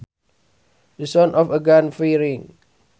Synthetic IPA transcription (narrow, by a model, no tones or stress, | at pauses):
dəsɔ̃nʔɔfəɡãnfiɾĩŋ